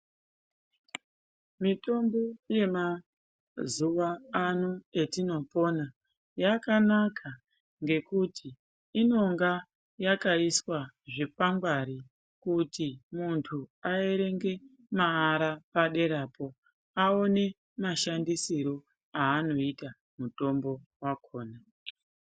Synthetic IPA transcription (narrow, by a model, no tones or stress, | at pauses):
mito̞mbo̞je̞ma | zuʋaːnue̞tino̞po̞na | jakanakʰa | ŋɡe̞kutʰiː | no̞ŋɡa | jakaiswaʐe̞paŋɡwaɾi | kutimuntʰuaeɾe̞ŋɡe̞ | maːɾapaɗe̞ɾaːpo̞ | aone | maʃandisiɾo̞ | aːno̞ita | muto̞mbo̞wakʰo̞ːna